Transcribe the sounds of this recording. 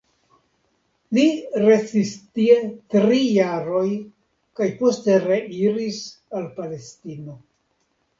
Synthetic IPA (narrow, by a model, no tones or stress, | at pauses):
liɾe̞sistie̞tɾijaɾo̞j | kajpo̞ste̞ɾeiɾisalpale̞stino̞